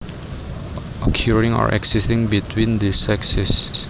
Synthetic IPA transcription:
ʔɔkʰjuɹĩŋɔ̰ɹʔɛ̰ksistĩŋbitʰwĩndisɛksis

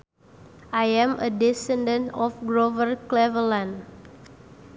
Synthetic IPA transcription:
ʔajɛ̃mədɛsɛ̃ndə̃ntɔfɡɾovərklɛvəlãn

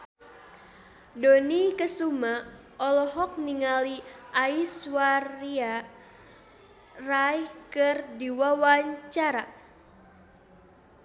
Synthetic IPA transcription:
donikəsuma | ʔɔlɔɦɔk̚niŋaliʔaiswaria | rajkɨrdiwawaɲt͡ʃaɾa

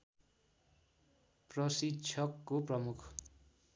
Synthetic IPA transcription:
prʌsit͡sʰʌkːoprʌmukʰ

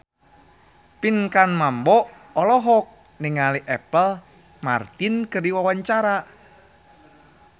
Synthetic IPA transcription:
pinkanmambɔʔ | ɔlɔɦɔk̚ | nɪŋaliʔɛ̰pəl | ma̰rt̪inkərdiwawaɲt͡ʃaɾa

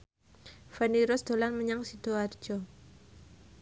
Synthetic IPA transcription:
faniɾɔsd̪̥o̤lanməɲaŋsid̪̥oar̥d͡ʒ̥ɔ

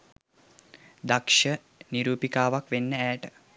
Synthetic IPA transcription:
d̪akʃə | niɾuːpikaːʋakʋenːəæːʈə

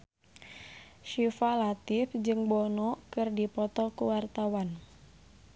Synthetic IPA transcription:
ʃifalat̪ifd͡ʒɨŋbɔnɔkɨrdipɔt̪ɔkuwart̪awan

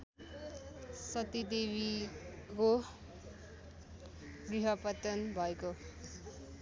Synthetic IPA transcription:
sʌt̪id̪ebiko | ɡriɦʌpʌt̪ʌnbʱʌeko

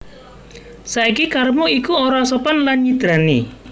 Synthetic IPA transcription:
saikikarmuikuoɾasɔpɔnlanɲid̪̥ɾanḭ

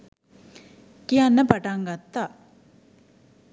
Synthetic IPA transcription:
kianːɐpɐʈaŋɡɐt̪ːa

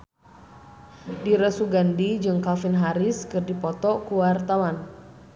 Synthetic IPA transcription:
diɾəsuɡandid͡ʒɨŋkalfinɦaɾɪskɨrdipɔt̪ɔkuwart̪awan

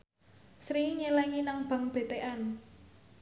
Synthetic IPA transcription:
sɾiɲelɛŋinaŋb̥ä̤ŋb̥e̤t̪eʔɛn

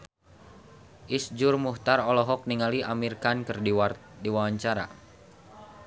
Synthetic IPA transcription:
ʔisd͡ʒʊrmuht̪aɾɔlɔɦɔk̚niŋaliʔamirkankərdiwardiwawaɲt͡ʃaɾa̰

